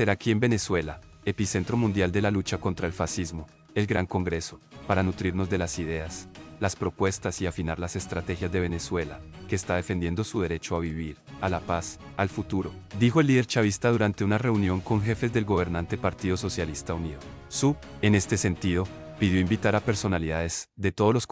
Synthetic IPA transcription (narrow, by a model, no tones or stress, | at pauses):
seɾakie̞mbe̞ne̞swe̞la | e̞pise̞nt̪ɾo̞mũnd̪jald̪e̞lalut͡ʃako̞nt̪ɾae̞lfasizmo̞ | e̞lɡɾaŋko̞ŋɡɾe̞so̞paɾanut̪ɾiɾno̞zd̪e̞lasið̞e̞aslaspɾo̞pwe̞st̪asiafinaɾlase̞st̪ɾat̪e̞xjazd̪e̞βe̞ne̞swe̞lake̞ːst̪aðe̞fe̞nd̪je̞nd̪o̞suð̞e̞ɾe̞t͡ʃoaβiβ̞iɾalapas | alfut̪uɾo̞ | d̪ixo̞e̞lːiðe̞ɾt͡ʃaβ̞ist̪aðuɾant̪e̞unare̞unjo̞ŋko̞ŋxe̞fe̞zd̪e̞lɡo̞β̞e̞ɾnãnt̪e̞paɾt̪iðo̞so̞sjalist̪auniðo | su | e̞ne̞st̪e̞se̞nt̪iðo̞ | piðjo̞imbit̪aɾape̞ɾso̞naliðaðe̞z̥d̪e̞t̪o̞ð̞olo̞s